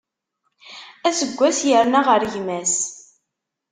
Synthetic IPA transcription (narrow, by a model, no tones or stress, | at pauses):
æsəɡʷːæsjəɾnaʁəɾʝmæs